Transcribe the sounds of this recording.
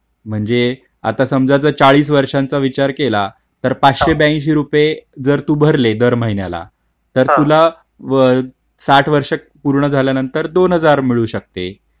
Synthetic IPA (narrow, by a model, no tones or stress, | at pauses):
m̤əɳd͡ze | a̰t̪asəmd͡zat͡sət͡saɭiːs̬ʋəɾʂãnt͡saʋit͡ɕaɾkela | t̪əɾpat͡sɕebjaĩɕ̬iɾuped͡zəɾt̪uːbʱəɾled̪əɾməɦinja̰la̰ | t̪əɾt̪ula | saʈʰʋəɾʂək̚ | puɾɳəd͡zʱaljanənt̪əɾd̪onɦəd͡zaɾmiɭuːɕək̚t̪e